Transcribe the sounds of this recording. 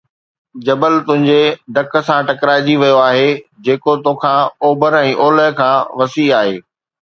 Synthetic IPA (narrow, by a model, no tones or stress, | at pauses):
d͡ʑɐbəlt̪ʊ̃ɦɪ̃ɲd͡ʑeɖɐk̆sãʈɐkɾaːɪd͡ʑiʋijoaːɦed͡ʑeːkot̪õːkʰãːoːbəɾɛ̃ːʔoːləɦkʰãːʋɐsiaːɦeː